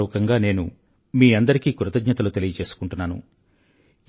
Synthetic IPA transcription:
uːkɐŋɡaːne̞ːnṵ | miːɐnd̪ɐɾikiːkuɾɐt̪ɐɡɲɐt̪ɐlut̪e̞lijɐt͡ʃe̞ːsu̥kuɳʈunːaːnṵ

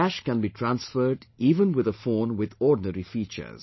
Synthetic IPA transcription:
æʃkɛ̃nbiːʈʰɾãnsfəɾɖiːʋə̃nwɪd̪əfoːnwɪd̪ɔːɖnəɾifiːt͡ʃə̰z̥

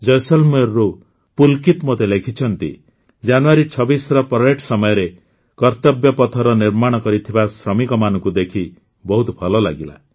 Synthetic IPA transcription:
d͡ʒɔjsɔlmeɾːu | pulkit̪mot̪elekʰit͡ʃʰɔnt̪ḭ | d͡ʒanuaɾit͡ʃʰɔbisɾɔpɾɔeʈʰsɔmɔjɔɾe | kɔɾt̪ɔbjɔpɔt̪ʰɔɾɔniɾmaɽ̃ɔkɔɾit̪ʰibasɾɔmikɔmanɔ̃ŋkud̪ekʰi | bɔɦut̪ɔbʱɔlɔla̰ɡila̰

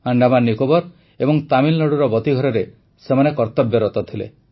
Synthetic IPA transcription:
aɳɖamanːikobɔɾ | ebɔŋt̪amilnɔɽuɾɔbɔt̪iɡʱɔɾɔɾe | semanekɔɾt̪ɔbjɔɾɔt̪ɔt̪ʰilḛ

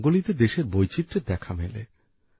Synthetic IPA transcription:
ɡolit̪ed̪eʃeɾbojt͡ɕit̪ːɾed̪ɛkʰamelḛ

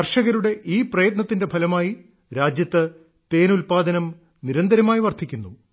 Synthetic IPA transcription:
ɐrʂɐɣɐɾuɽe̞ʔiːprɐjɐt̪nɐt̪ːinde̞pʰɐlɐmaːji | ɾaːd͡ʑjɐt̪ːɨ | t̪e̞ːnulpaːd̪ɐnɐm | niɾɐnd̪ɐɾɐmaːjiʋɐrt̪ʰːikʲːunːu

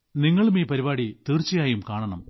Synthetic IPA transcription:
niŋːɐɭumiːpɐɾibaːɽit̪iːrt͡ɕːijaːjumkaːɳɐɳɐm

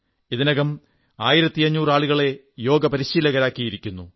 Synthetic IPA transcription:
iðinɐɣɐm | a̰ːjiɾɐt̪ːiɐɲːuːraːɭuɣɐɭe̞ | jo̞ːɡɐpɐɾiɕiːlɐɣɐɾaːkːijiɾikʲːunːu

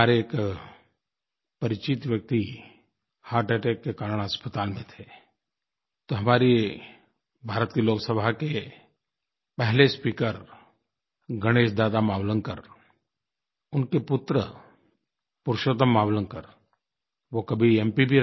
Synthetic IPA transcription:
aːɾeeːk | pɐɾɪt͡ʃɪt̪ʋjək̚t̪i | haːɾʈeːʈeːkːekaːɾəɽ̃ɦəspət̪aːlmẽt̪ʰe | t̪oɦɐmaːɾi | bʱaːɾət̪kiloːksəbʱake | pɛɦlespiːkəɾ | ɡəɽ̃eːʃd̪aːd̪amaːwlənkəɾ | ʊnkepʊt̪ɾə̰ | pʊɾʃoːt̪̬əmːaːwlənkəɾ | ʋokɐbʱiɛːmpibʱi

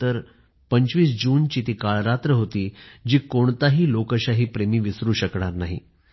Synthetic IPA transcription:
t̪əɾ | pəɲt͡ɕʋiːsd͡ʑuːnt͡ɕiːt̪iːkaɭɾat̪ɾəɦot̪iːd͡ʑiːkoɳt̪aɦiːlokəɕaɦiːpɾemiːʋisɾuːɕəkɳ̃aɾnaɦḭ

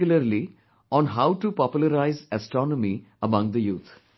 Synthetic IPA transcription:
lɐɾli | ɔ̃ːnɦaʊʈupɔːpjulɐɾaɪzɐsʈɔːnɔmi | ɐmɐ̃ŋɡd̪əjuːt̪ʰ

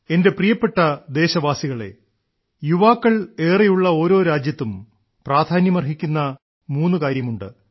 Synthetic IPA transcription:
e̞nde̞prijɐpːe̞ʈːɐd̪e̞ːɕɐʋaːsiɣɐɭe̞̰ | juʋaːkːɐɭe̞ːrejuɭːɐo̞ːɾo̞ːɾaːd͡ʑjɐt̪ːum | praːd̪ʱaːnjɐmɐrɦikʲːunːɐ | muːnːukaːɾjɐmuɳɖɨ̰

